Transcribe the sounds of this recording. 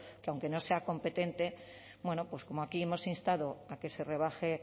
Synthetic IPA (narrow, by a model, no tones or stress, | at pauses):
keawŋke̞no̞se̞ako̞mpe̞t̪e̞nt̪e | bwe̞nopwesko̞moakie̞mo̞sinst̪aðoake̞se̞re̞β̞axe